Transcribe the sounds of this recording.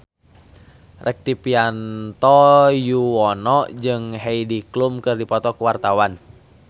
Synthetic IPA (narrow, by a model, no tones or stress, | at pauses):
rʔɛk̚t̪ipiant̪ɔjuwɔnɔʔd͡ʒɨŋɦɛidiklumkɨrdipɔt̪ɔkuwart̪awan